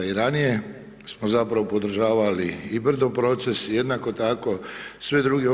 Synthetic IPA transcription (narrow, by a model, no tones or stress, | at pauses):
iɾanije̞ | smozapɾaʋo̞po̞d̪r̩ʒaːʋaliibr̩d̪opɾo̞t̪se̞sje̞d̪nako̞t̪ako̞sʋe̞d̪ɾuːɡeo